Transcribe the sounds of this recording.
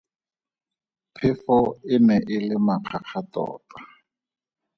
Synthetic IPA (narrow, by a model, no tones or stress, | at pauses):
pʰɪfɔɪmɛʔɪlɪmaq͡χʰaq͡χʰatɔ̰ːta